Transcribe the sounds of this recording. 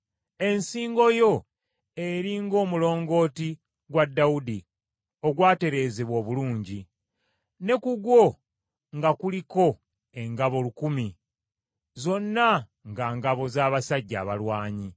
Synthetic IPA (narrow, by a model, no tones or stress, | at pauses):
e̞nsiːŋɡo̞jo̞ | eɾiŋɡo̞ːmulo̞ːŋɡo̞ːti | ɡwadːaudi | o̞ɡwaːte̞ɾe̞ːzeβwo̞ːβuluːɲɟi | ne̞kuɡwo̞ | ŋɡakuliko̞ | e̞ŋɡaβo̞lukumi | zo̞nːa | ŋɡaːŋɡaβo̞zaːβasaɟːa̰ːβalwaːɲi